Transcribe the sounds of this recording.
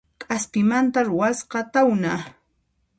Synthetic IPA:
kʼaspɪmant̪aɾʊwasqɑt̪awna

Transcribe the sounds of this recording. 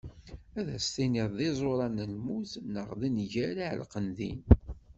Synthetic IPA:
æðæst̪iniðˤðizˤoɾˤɑnəlmuθnəʁðinʝæɾiʕ̰lqənðḭn

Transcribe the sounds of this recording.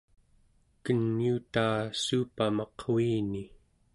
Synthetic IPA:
kənːiut̪aːsuːpamɑqʰwiːni

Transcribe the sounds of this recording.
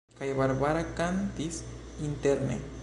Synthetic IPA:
kajβaɾβaɾakant̪isint̪eɾnḛ

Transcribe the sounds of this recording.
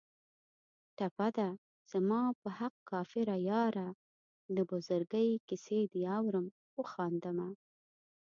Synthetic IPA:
ʈapad̪a | z̥amɑpəhaq̚kɑfɪɾajɑɾa | d̪əbʊzʊɾɡəjkɪsed̪iɑwɾəm | ʊxɑnd̪əma

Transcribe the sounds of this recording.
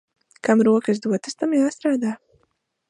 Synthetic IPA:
kamɾuɔkɨz̬d̪uɔt̪ɨst̪ɐmjaːst̪ɾaːd̪aː

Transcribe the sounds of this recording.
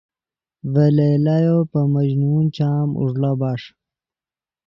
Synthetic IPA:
velelajopəmɐd͡ʑnunt͡ɕaːmṵʐlobaʂ

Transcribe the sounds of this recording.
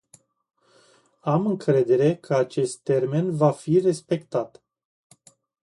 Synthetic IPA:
amɨŋkɾe̞d̪e̞ɾe̞kʰəat͡ʃe̞st̪ːe̞rme̞nvafire̞spe̞kt̪at̪

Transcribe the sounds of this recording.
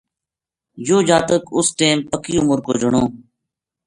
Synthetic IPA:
joːd͡ʒaːt̪əkʊsʈeːmpəkiːʊmʊɾko̰ːd͡ʒəɳoː

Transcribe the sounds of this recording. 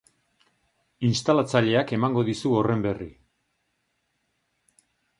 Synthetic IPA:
inst̪alat͡saʎe̞ake̞maŋɡo̞ðisuo̞re̞mbe̞rḭ

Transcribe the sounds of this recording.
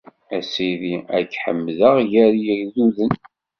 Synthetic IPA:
æsiðiæ̰ɡħə̰mːðəʁjæɾjəɾðuðən

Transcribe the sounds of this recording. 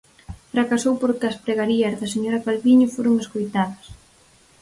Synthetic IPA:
fɾakasowpoɾkɪɐspɾeɣaɾiɐzðɐseɲoɾɐkalβiɲofoɾʊŋeskojt̪aðɐs

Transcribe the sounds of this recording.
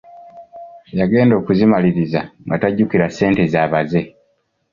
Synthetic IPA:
jaɡe̞ːndo̞ːkuzimaliɾizaŋɡataɟːukiɾase̞ːntezaːβaze̞

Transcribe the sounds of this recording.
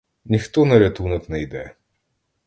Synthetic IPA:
nʲixt̪ɔnɐɾʲat̪unɐt̪nɛjd̪ɛ

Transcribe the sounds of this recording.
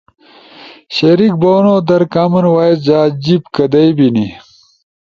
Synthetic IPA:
ɕɐɾik̚boːnoːd̪ɐɾkaːmɐnwaːesd͡ʑaːd͡ʑibkɐd̪ɐjbini

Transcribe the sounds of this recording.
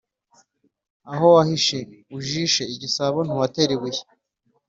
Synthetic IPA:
aɦowahiʃeuʒiʃeiɟisaβon̥huwateɾiwij

